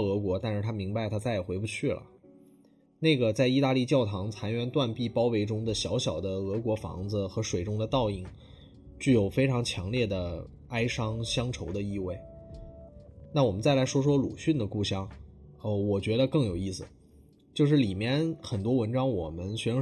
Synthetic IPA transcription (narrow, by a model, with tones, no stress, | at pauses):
ɤ˧˥kwɔ˧˥t̪a˥˧nʂɻ̩˥˩t̪ʰa˥mi˧˥ŋba˧ɪt̪ʰa˥t͡sa˥˩ɪjɛ˨˩xwe˧˥ɪpu˧t͡ɕʰy˥˩lə̰˩ | ne˥˩ɪɡə˩t͡sa˥˧ɪi˥˧t̪a˥˧li˥˧t͡ɕjɑ˥˩ʊt̪ʰɑ˧˥ŋt͡sʰa˧˥nɥɛ˧˥nt̪wa˥˧npi˥˩pɑ˥ʊwe˧˥ɪʈ͡ʂʊ˥ŋd̪ə˨ɕjɑ˧˥ʊɕjɑ˨˩ʊd̪ə˦ɤ˧˥kwɔ˧˥fɑ̰˧˥ŋd͡z̩˧xɤ˧˥ʂwe˨˩ɪʈ͡ʂʊ˥ŋd̪ə˨t̪ɑ˥˧ʊi˥˩ŋ | t͡ɕy˥˩jo˨˩ʊfe˥ɪʈ͡ʂʰɑ˧˥ŋt͡ɕʰjɑ˧˥ŋljɛ˥˩d̪ə˩ | a˥ɪʂɑ˥ŋɕjɑ˥ŋʈ͡ʂʰo˧˥ʊd̪ə˧i˥˧we˥˩ɪ | na˥˩wɔ˨˩mə˦nt͡sa˥˩ɪla˧˥ɪʂwɔ˥ʂ̬wɔ˥lu˨˩ɕy˥˩nd̪ə˩ku˥˩ɕjɑ˥ŋə˧˩wɔ˨˩t͡ɕɥɛ˧˥d̪ə˧kɤ˥˩ŋjo˨˩ʊi˥˩sɹ̩˩ | t͡ɕjo˥˧ʊʂ̬ɻ̩˥˩li˨˩mjɛ˥˧nxə˨˩nt̪wɔ˥wə˧˥nʈ͡ʂɑ˥ŋwɔ˨˩mə˦nɕɥɛ˧˥